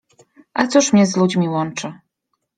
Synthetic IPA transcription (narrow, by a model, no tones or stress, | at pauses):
ʔat̪suʂmɲɛzlud͡ʑmʲiwɔnt͡ʂɘ